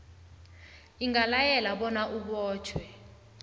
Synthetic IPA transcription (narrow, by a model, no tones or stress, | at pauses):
iŋalajɛlaɓɔnaʔuɓɔːt͡ʃʰwɛ